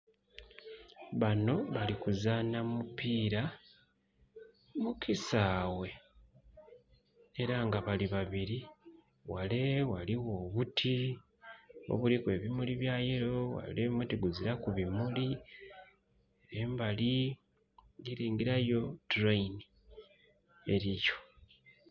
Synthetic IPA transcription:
βano̞βalikuzaːnamupiːɾa | mukʰisaːwe̞ | eɾaŋɡaβaliβaβiɾi | wale̞waliwo̞ːβutʰi | o̰βulikwe̞ːβimuliβjaːjeɾo̞wa̰leβimutiɡuziɾakuβimuli | eɾeːmbali | ɡiɾiːŋɡiɾajo̞tɾejni | e̞ɾijo̞

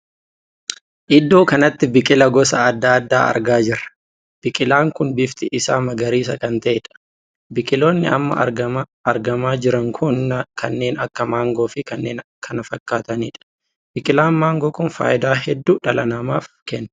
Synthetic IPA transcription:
ʔɪd̪ːo̞ːkɐnɐt̪ːɪbɪkʼɪlɐɡɔsɐːd̪ːaːd̪ːa̰ːɐ̰ɾɡaːd͡ʒɪɾɐ | b̥ɪkʼɪlaːŋkʊnbɪft̪ɪʔɪsaːmɐɡɐɾiːs̬ɐkɐnt̪ɐʔɛᶑɐ̥ | bɪkʼɪlo̞ːnːɪɐ̰mːɐ̰ɐɐɾɡɐmaːd͡ʒɪɾɐŋkʰʊnːkʰɐnːe̞ːnɐkːɐmaːŋɡo̞ːfɪkɐnːeːnkʰɐnɐfɐkːaːt̪ɐniːᶑɐ̥ | bɪkʼɪlaːnmaːŋɡoːkʊnfa̰ːʔɪd̪aːɛd̪ːuːᶑɐlɐnɐmaːfkɛnː

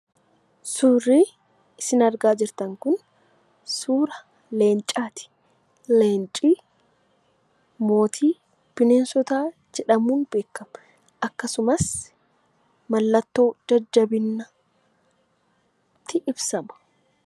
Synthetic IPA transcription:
suːriː | ɪsɪnɐɾɡaːd͡ʒɪɾt̪ɐŋkʊn | suːɾɐ | le̞ːnt͡ʃʼaːt̪ɪ̥ | le̞ːnt͡ʃʼiː | mo̞ːt̪ʰiː | pɪneːnsɔt̪aːd͡ʒɛᶑɐmuːnbe̞ːkːɐm | ʔɐkːɐsʊmɐs | mɐlːɐt̪ːo̞ːd͡ʒɐd͡ʒːɐbɪnːɐ | t̪ːɪʔɪbsɐmɐ̥

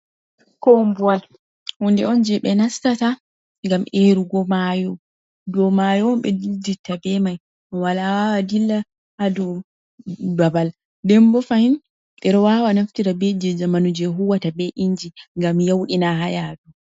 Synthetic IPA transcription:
kombuwal | hɔndɛɔnd͡ʒɛɓɛnastata | ŋɡamʔeɾuɡɔmajɔ | dɔmajɔɔmɓɛdilditːabɛmaj | ɔwalawawadilːa | hadɔ | babal | dɛmbɔfahin | ɓɛɾɔwawanaftiɾabɛd͡ʒɛd͡ʒamanud͡ʒɛɦuwatabɛʔiɲd͡ʒiŋɡamjawɗinaɦajadu

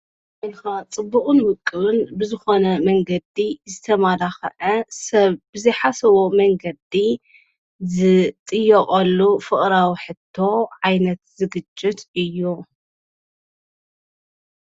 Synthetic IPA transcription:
wɐlxat͡sʼɨbːuχʼɨnwʊkʼːɨβɨnbɨzɨxo̞nɐmɐŋɡɐd̪izɨt̪ʰɐmad̪axɐ̰ʕɐsɐβbɨzɐjħasɐβomɐŋɡɐd̪i | zɨt̪ʼɨjːɐkʼɐlːufɨχʼɾawiħɨt̪ʰːo̞ʕajnɐt̪zɨɡɨt͡ʃʼːɪt̪ɨjːu

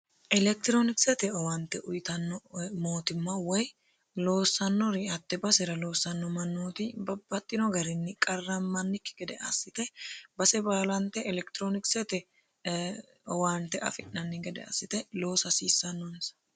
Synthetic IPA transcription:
ʔɛlɛk̚t̪ɪɾonɪksɛt̪ɛɔwɐnt̪ːɛʔʊjt̪ɐnːɔmoːt̪ɪmːɐwɔj | lo̞ːsːɐnːɔɾɪɐt̪ːɛbɐsɛɾɐlo̞ːsːɐnːɔmɐnːoːt̪ɪbɐbːɐt̪ʼːɪnɔɡɐɾɪnːɪkʼɐrːɐmɐnːɪkːɪ̥ɡɛd̪ɛʔɐ̰sːɪt̪ɛbɐsɛbaːlɐnt̪ːɛʔɛlɛkt̪ɪɾoːnɪksɛt̪ɛ | ɔwaːnt̪ːɛʔɐ̰fɪʔnɐnːɪɡɛd̪ɛ̰ɐ̰sːɪt̪ɛlo̞ːsɐsiːsːɐnːɔnsɐ̥

